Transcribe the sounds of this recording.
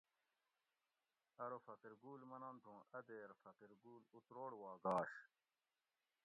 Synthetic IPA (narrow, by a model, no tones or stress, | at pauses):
ɐɾofɐqiɾɡuːlmɐnɐnt̪ʰũːʔɐd̪eːɾfɐqiɾɡuːlut̪ɾoːɽwaːɡaːɕ